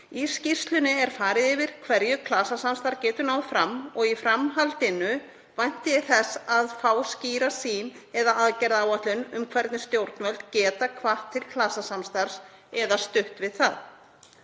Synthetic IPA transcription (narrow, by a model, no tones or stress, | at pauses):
iscir̥st̪lʏnɪɛɾ̥faːɾɪðɪvɪɾ̥kʰvɛɾjʏkʰlaːsasamst̪aɾcɛːt̪ʏnawfɾamːɔɣifɾamɦalt̪ɪnʏ | vajn̥t̪ɪjɛθɛsaðfaːwsciːɾasiːnɛðaaðcɛɾðaaːwat̪lʏnʏmkʰvɛɾt̪nɪst̪jowɾt̪nvœlt̪cɛːt̪akʰvaht̪ʰːɪlkʰlaːsasamst̪aɾ̥sɛðast̪ʏht̪vɪðθað